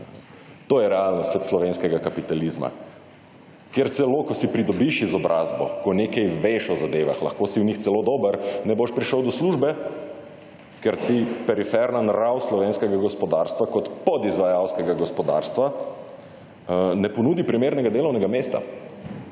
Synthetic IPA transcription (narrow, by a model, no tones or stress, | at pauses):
t̪oːjɛɾɛalnɔst̪pɛt̪slɔʋenskɛɡakapit̪alizma̰ | kjeɾt̪sɛloːkɔsipɾid̪ɔbiʃizɔbɾʔaːzbɔ̰kɔnekɛjʋeʃɔzad̪eːʋa̰xla̰xkoːsiwnixt̪sɛloːd̪obəɾnɛboʃpɾiʃɔwd̪ɔsluʒbɛ | kɛɾt̪ipɛɾifɛɾnanɾawslɔʋenskɛɡaɡɔspɔd̪aɾst̪ʋakɔt̪pɔd̪izʋajawskɛɡaɡɔspɔd̪a̰ɾst̪ʋa | nɛpɔnuːd̪ipɾimeɾnɛɡad̪eːlɔwnɛɡameːst̪a̰